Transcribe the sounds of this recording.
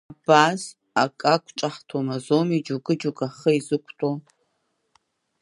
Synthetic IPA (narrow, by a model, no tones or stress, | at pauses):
abaːz | akʼakʷʼt͡ʃʼɐħtʰomɐzomid͡ʒuɡɨd͡ʒuɡʼɐχɐizɨkʷʰʼtʼo